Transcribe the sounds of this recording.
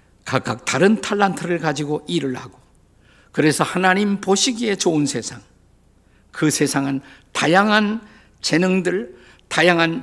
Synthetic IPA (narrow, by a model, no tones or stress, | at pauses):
kak͈ak̚t̪aɾɯntʰaɭːantʰɯɾɯɭkad͡ʑiɡoʔiɾɯɭhaɡo | kɯɾe̞sʰʌhanaɲimpoɕʰiɡie̞t͡ɕoɯnsʰe̞sʰaŋ | kɯsʰe̞sʰaŋɯntajaŋɦan | t͡ɕe̞nɯŋdɯɭ | tajaŋɦan